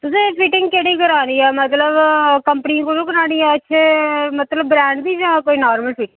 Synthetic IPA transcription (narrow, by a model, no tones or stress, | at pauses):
t̪ʊs̬ẽːpʰiʈɪŋɡkeːɽiːkəɾaːniːɛːmət̪ləbkəmpəniãkoːnõːkəɾaːniːɛːətːʃʰeːmət̪ləbːɾɛːɳɖd̪iːd͡ʒãːkoːiːnaːɾməlpʰiːʈɪ̃